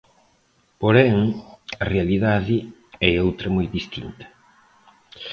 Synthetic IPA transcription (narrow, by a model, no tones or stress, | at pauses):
poɾɛŋɐrealiðaðiɛjowt̪ɾɐmojd̪ist̪int̪ɐ̥